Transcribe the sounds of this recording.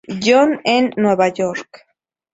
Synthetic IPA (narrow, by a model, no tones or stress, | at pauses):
ʎonenːweβajoɾk